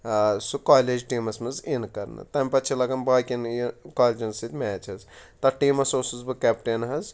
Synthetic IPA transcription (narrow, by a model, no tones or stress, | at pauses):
sukaːled͡ʒʈiːmɐsmɨzenkɐɾnɨ̰t̪ɐmʲpɐt͡ʃʰilɐɡɐnbaːkʲinikaːlʲd͡ʒɐnsit̪ʲmɛːt͡ʃʰɐzt̪ɐʈiːmɐsosuzbɨkɛːpʈenɦɐz